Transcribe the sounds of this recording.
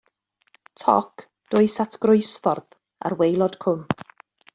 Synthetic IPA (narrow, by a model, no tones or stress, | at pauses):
tʰɔ̰kʰ | d̥ʊɨsatʰɡ̥rʊjsfɔrð | a̰rwejlˠɔd̥kʰʊn